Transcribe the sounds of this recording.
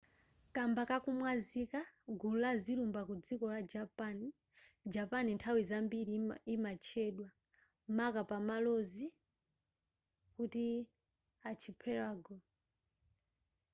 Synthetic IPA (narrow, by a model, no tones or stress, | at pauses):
kambakakumwazikaɡulazilumbakud͡zikɔlad͡ʒapani | d͡ʒapanintʰawizambiɾiimat͡ʃʰɛɗwa | makapamalɔzi | kuti | at͡ʃʰipʰɛɾaːɡɔ